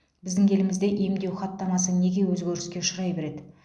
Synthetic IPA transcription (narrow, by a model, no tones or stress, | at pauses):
bɪzd̪ɪŋʲʰe̞lɪmɪzd̪e̞ʔemd̪e̞wχɑt̪ːɑmɑsəne̞ɡʲe̞wɵzɡʲeɾɪskʲe̞ʊʃəɾɑjbe̞ɾe̞d̪ɪ